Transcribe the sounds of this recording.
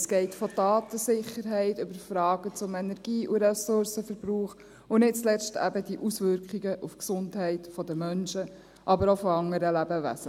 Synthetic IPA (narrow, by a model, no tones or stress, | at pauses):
sɡ̥ɛɪtfɔdɑːt̪əsɪχəɾɦɛɪtʏbəɾfɾɑːɡət͡sʊmɛnɛɾɡ̥iːʔuɾɛsʊɾsəfəɾbɾuːχ | ʊnɪt̚t͡slɛstæ̰bəd̥iʔusʋʏɾkχiɡəʔufksʊndɦɛɪtfɔd̪əmœnʃə | ʔɑbəɾofɔɑŋəɾəlæbəʋæ̰sə